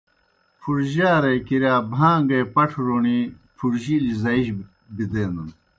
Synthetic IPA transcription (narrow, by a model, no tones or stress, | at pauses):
pʰuɾʑaːɾekiɾjaːbʱãːŋɡeːpɐʈʰɾoːɳi | pʰuɾʑilizɐiɕ | bid̪eːnd̪un